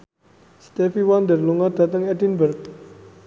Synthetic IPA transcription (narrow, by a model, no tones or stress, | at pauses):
st̪ɛfiwand̪ərluŋad̥̪a̤t̪əŋɛdinbərk̚